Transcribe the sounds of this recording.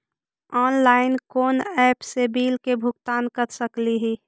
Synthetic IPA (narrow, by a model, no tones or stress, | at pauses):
ɔːnlaːɪnkoːnɛːpsebiːlkebʱʊkt̪aːnkəɾsəkliɦi